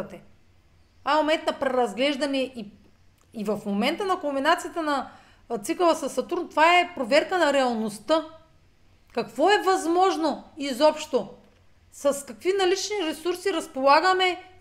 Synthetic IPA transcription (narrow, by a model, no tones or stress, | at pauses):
t̪ɛ | aomɛnt̪nɐpɾɛɾɐzɡlɛʒd̪ɐnɛʔi | ivɐfmomɛnt̪ənɐkombinat̪sijət̪ənɐ | t̪sikovɐsɐsːɐt̪uɾnt̪ovaɛpɾovɛɾkənɐɾɛɐlˠnost̪ə | kɐkvɔɛvɐzmɔʒnoizɔpʃt̪o | sɐskɐkvinɐlit͡ʃniɾɛsuɾsiɾɐspolˠaɡɐmɛ